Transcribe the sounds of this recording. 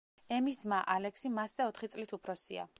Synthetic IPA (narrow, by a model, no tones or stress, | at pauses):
ɛmismaʔalɛksimasːɛɔt̪ʰχit̪sʼlit̪ʰupʰɾɔsia̰